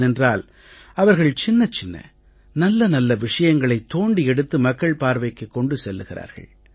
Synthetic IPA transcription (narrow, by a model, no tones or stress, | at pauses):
ɛndraːl | ɐʋɐɾɣɐɭt͡ʃɪnːɐt͡ʃɪnːɐ̰ | nɐlːɐnɐlːɐʋɪʂɐjɐŋɡɐɭɐɪt̪ːoːɳɖiɛɽɯt̪ːɯmɐkːɐɭpaːɾʋɐɪkːɯkːɔɳɖɯsɛlːɯɣɪra̰ːɾɣɐ̰ɭ